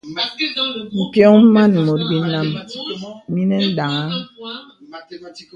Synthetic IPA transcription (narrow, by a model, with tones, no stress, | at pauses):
ŋ̩˨kjɔ˦ŋ˦m̩˦ma˦˨n̩˨mo˨t̚ɡi˨˦na˦m˦ | mi˦ne˦n̩˦ɗa˨ŋa˦